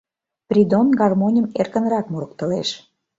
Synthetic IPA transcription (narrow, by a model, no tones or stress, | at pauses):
pɾʲid̪onɡɑrmonʲəmerkə̆nɾɑkmuɾəkt̪ə̆leʃ